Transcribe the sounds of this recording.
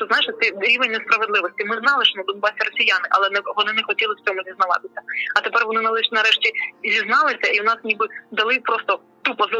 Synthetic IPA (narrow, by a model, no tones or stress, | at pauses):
t̪ɔznɑjɪʃt̪ɛɾʲiʋenʲːɐspɾɐʋed̪lˠɪʋɔsʲtʲimɪznɑlˠɪʃnɐd̪ɔnbɑsʲɪrɔsʲijanɪʔɐlˠɛnɛʋɔnɪnɛxɔtʲilˠɪft͡sʲɔmʊzʲiznɐʋɑ̰t̪ɪsʲɐɐt̪epɛrʋɔnɪnɐlˠɛʃnɐɾɛʃtʲizʲiznɑlˠɪsʲɐiwnɑsnʲibɪd̪ɐlˠɪpɾɔst̪ɔ | t̪upɔz